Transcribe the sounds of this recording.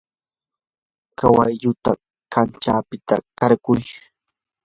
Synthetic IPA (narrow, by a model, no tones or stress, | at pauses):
kawa̰jʎʊt̪a | kant͡ʃaːpɪt̪a̰kaɾkʊj